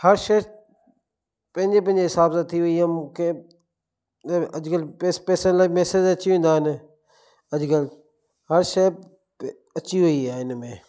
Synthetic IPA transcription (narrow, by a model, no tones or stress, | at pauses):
həɾʃəs | pə̃ɦɪ̃ɲd͡ʒeːp̬ə̃ɪ̃ɲd͡ʒeːɦɪsaːbsat̪ʰiʋʊiːaːmʊ̃kʰẽ | əd͡ʒkəlepeːsə̃nlaimɛːsed͡ʒət͡ʃiʋẽːnd̪aːɪn | əd͡ʒkəl | həɾʃə | ət͡ʃiɦʊiːaːɪnmẽː